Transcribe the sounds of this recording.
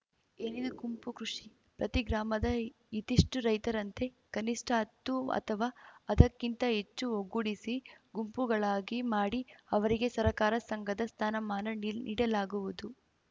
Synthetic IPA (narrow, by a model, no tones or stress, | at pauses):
eːnid̪uɡumpukɾuʂi | pɾɐt̪iɡɾaːmɐd̪ɐ | it̪iʂʈuɾɐjt̪ɐɾɐnt̪e̞ | kɐniʂʈʰɐɐt̪ːuɐ̰t̪ʰɐʋaːɐd̪ɐkːint̪ɐɦet͡ʃːuoɡuɽisiɡumpuɡɐɭaːɡimaːɽiɐʋɐɾiɡe̞sɐɾɐkaːɾɐsɐŋɡɐd̪ɐst̪ʰaːnɐmaːnɐnnʔḭːɽɐlaːɡuʋud̪u